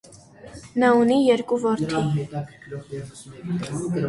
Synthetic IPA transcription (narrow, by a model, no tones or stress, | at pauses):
nɑunijɛɾkuvɔɾt̪ʰi